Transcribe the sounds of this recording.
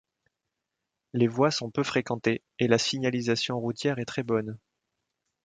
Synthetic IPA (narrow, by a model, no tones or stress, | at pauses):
levwasɔ̃pøfχekɑ̃t̪e | elasiɲalizasjɔ̃ʁut̪jɛʁɛt̪χɛbɔn